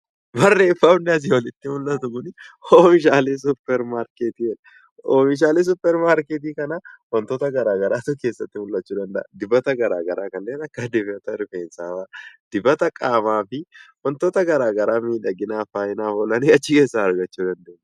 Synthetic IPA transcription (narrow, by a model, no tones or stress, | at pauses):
bɐrːeːfːaʊnːɛɐs̬ɪwɐlɪt̪ːɪmʊlːɐt̪ʊkʊnɪoːfɪʃaːles̬ʊpːɛɾmaːɾket̪iːɛᶑɐ | omɪʃ̬aːleːs̬ʊpːɛɾmaːɾket̪̬iːkɐnɐwɐnt̪oːt̪ɐɡɐɾaːɡɐɾaːt̪ʊke̞ːsːɐt̪ːɪmʊlːɐt͡ʃːuːd̪ɐnd̪ɐʔɐd̪ɪbɐt̪ɐɡɐɾa̰ːɡɐɾaːkɐnːeːnɐkːɐd̪ɪfɛt̪ɐɾɪfeːnsaːbad̪̥ɪbɐt̪ɐkʼaːmaːfɪwɐnt̪oːt̪ɐɡɐɾaːɡɐɾaːmiːᶑɐɡɪnaːfaːjɪnaːfɔlɐniɐt͡ʃːɪke̞ːsːahɐɾɡɐt͡ʃːuːd̪ɐnd̪eːnː